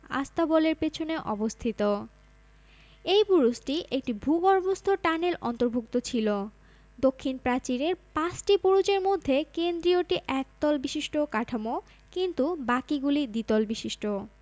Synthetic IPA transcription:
a̰st̪abɔleɾpet͡ɕʰoneʔɔbost̪ʰit̪o | ejpuɾusʈiʔek̚ʈibʱuɡɔɾbost̪ʰoʈaneɾʔɔ̰nt̪oɾbʱuk̚t̪ot͡ɕʰilo | d̪okʰːinpɾat͡ɕiɾeɾpasʈipuɾud͡ʑeɾmod̪ʱːekend̪ɾijoʈiʔɛk̚t̪ɔlbiʃiʃʈʰokaʈʰamo | kint̪ubakiɡulid̪it̪ɔlbiʃiʃʈo

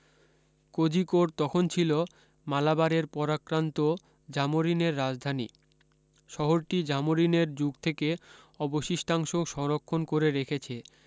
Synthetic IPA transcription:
kod͡ʑikoɾt̪ɔkʰont͡ɕʰilo | malabaɾeɾpɔɾakɾant̪o | d͡ʑamoɾineɾːad͡ʑd̪ʱanḭ | ʃɔɦoɾʈid͡ʑamoɾineɾd͡ʑuɡt̪ʰeke | ɔboʃiʃʈʰaŋʃoʃɔŋɾokʰːonkoɾeɾekʰet͡ɕʰe

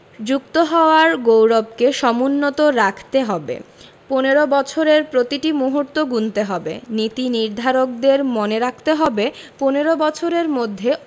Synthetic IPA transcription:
d͡ʑuk̚t̪oɦɔoaɾɡowɾob̚keʃɔmunːot̪oɾakʰt̪eɦɔbḛ | poneɾobɔt͡ɕʰoɾeɾpɾot̪iʈimuɦuɾt̪oɡunt̪eɦɔbḛnit̪iniɾd̪ʱaɾok̚d̪eɾmoneɾakʰt̪eɦɔbeponeɾobɔt͡ɕʰoɾeɾmod̪ʱːe

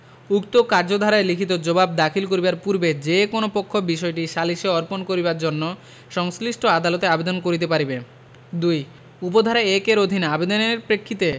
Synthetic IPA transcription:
ukt̪okaɾd͡ʑod̪ʱaɾaelikʰit̪od͡ʑobab̚d̪akʰilkoɾibaɾpuɾbed͡ʑekonopokʰːobiʃɔeʈiʃaliʃeɔɾponkoɾibaɾd͡ʑonːo | ʃɔŋsliʃʈʰoad̪alot̪eabed̪onkoɾit̪̬epaɾibe | d̪uj | upod̪ʱaɾaekeɾod̪ʱineabed̪oneɾpɾekʰːit̪e

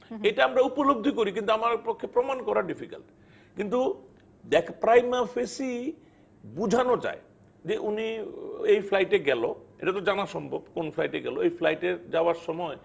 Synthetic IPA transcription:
eʈaamɾaupoloɡ̚d̪ʱikoɾik̬int̪uamaɾpokʰːepɾomankɔɾaɖifika̰lʈ | kint̪u | d̪ɛkʰpɾajmafesi | bud͡ʑʱanot͡ɕa̰e | d͡ʑeʔuniejflajʈeɡɛlo̰ḛʈat̪od͡ʑanaʃɔmbʱobkonflajʈeɡɛloejflajʈeɾd͡ʑaoaɾʃɔmɔe

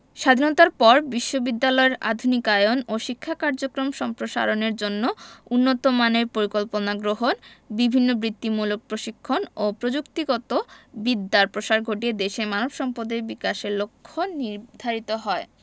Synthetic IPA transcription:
ʃad̪ʱinot̪aɾpɔɾbiʃːobid̪ːalɔeɾa̰d̪ʱunikajonoʃikʰːakaɾd͡ʑokɾomʃɔmpɾoʃa̰ɾoneɾd͡ʑonːounːot̪omaneɾpoɾikolponaɡɾoɦonbibʱinːobɾit̪ːimulok̚pɾoʃikʰːonopɾod͡ʑukt̪iɡɔt̪obid̪ːaɾpɾoʃaɾɡʱoʈied̪eʃemanobʃɔmpod̪eɾbikaʃeɾlokʰːoniɾd̪ʱaɾit̪oɦɔe

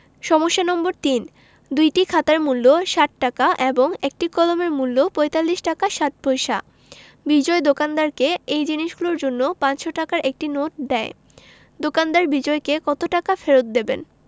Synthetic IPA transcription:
ʃɔmoʃːanɔmboɾt̪in | d̪ujʈikʰat̪aɾmulːoʃat̪̚ʈakaʔeboŋek̚ʈikɔlomeɾmulːopɔjt̪alːiʃʈakaʃat̪̚bʱojʃa̰ | bid͡ʑɔed̪okand̪aɾkeejd͡ʑiniʃɡuloɾd͡ʑonːopãt͡ɕʃoʈakaɾʔek̚ʈinoʈ̚d̪ɛe | d̪okand̪aɾbid͡ʑɔekekɔt̪oʈakafeɾot̪̚d̪ebḛn

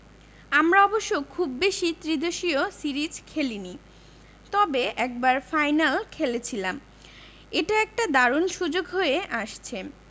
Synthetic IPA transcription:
amɾaɔboʃːokʰubːeʃit̪ɾid̪oʃiosiɾid͡ʑkʰelini | t̪ɔbeɛk̚baɾfajnalkʰelet͡ɕʰilam | eʈaɛk̚ʈad̪aɾonʃud͡ʑoɡɦoeʔaʃt͡ɕʰe

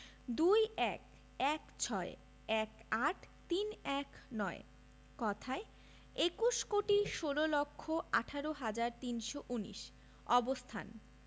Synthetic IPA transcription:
d̪ujɛk | ɛkt͡ɕʰɔe | ɛkaʈʰt̪inɛknɔḛ | kɔt̪ʰae | ekuʃkoʈiʃololokʰːoʔaʈʰaɾoɦad͡ʑaɾt̪inʃoʔunḭʃ | ɔbost̪ʰa̰n

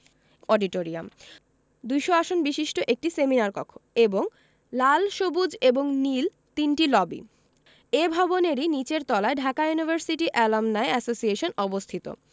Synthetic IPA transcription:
ɔɖiʈoɾia̰m | d̪ujʃoaʃonbiʃiʃʈoʔek̚ʈiseminaɾkɔkʰo̥eboŋ | lalʃobud͡ʑeboŋnil | t̪inʈilɔbḭ | ebʱɔboneɾinit͡ɕeɾt̪ɔlaeɖʱakajunibʱaɾsiʈiʔɛlamnaeɛsosieʃonɔbost̪ʰit̪o̰

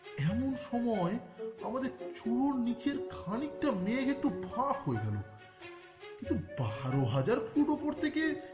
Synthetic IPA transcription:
ɛmonʃɔmɔeamad̪eɾt͡ɕuɽoɾnit͡ɕeɾkʰanik̚ʈamekek̚ʈubʱakɦoeɡɛlo | kint̪ubaɾoɦad͡ʑaɾkʰuʈopoɾt̪ʰeke

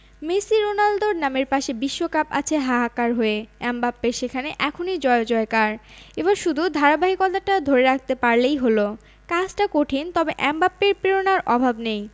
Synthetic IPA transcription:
mesiɾonald̪oɾnameɾpaʃebiʃːokapa̰t͡ɕʰeɦaɦakaɾɦoeɛmbapːeʃekʰaneʔɛkʰonijd͡ʑɔeod͡ʑɔekaɾeβaɾʃud̪ʱud̪ʱaɾabaɦikɔt̪aʈad̪ʱoɾeɾak̚ʰt̪epaɾlejɦolo | kad͡ʑʈakoʈʰint̪ɔbeʔɛmbapːeɾpɾiɾonaɾʔɔbʱabnej

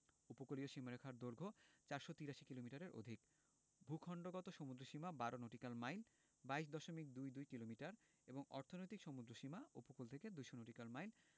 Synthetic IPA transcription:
upokolioʃimaɾekʰaɾd̪oɾɡʱot͡ɕaɾʃot̪iɾaʃikilomiʈaɾeɾo̰d̪ʱik | bʱukʰɔɳɖoɡɔt̪oʃomud̪ɾoʃimabaɾonoʈikalmajl | baiʃ̬d̪ɔʃomik̚d̪ujd̪ujkilomiʈaɾ | eboŋɔ̰ɾt̪ʰonojt̪ikʃɔmud̪ɾoʃimaupokult̪ʰeked̪ujʃonoʈikalmajl

